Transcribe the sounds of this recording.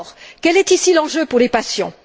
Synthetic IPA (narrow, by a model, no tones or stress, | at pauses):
ʁkʲɛlɛt̪isilɑ̃ʒøpuʁlepasjɔ̰̃